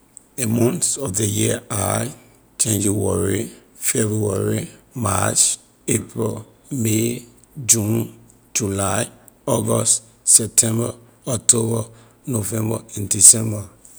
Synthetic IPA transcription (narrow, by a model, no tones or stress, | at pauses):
emɔ̃ntɔfdejiaaj | t͡ʃẽnd͡ʒiwɔɹi | fɛbɹuwaɹima̰t͡ʃ | epɹil | me | d͡ʒũn | d͡ʒulaj | ɔɡɔst | sɛp̚tʰɛ̃mba | ɔk̚tʰobɔ | novɛ̃mbaɛ̃ndisɛ̃mba